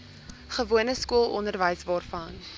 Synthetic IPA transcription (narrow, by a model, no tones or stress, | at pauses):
χəvuənəskuəlˠɔ̰ndərvəjsvɑːrfɐn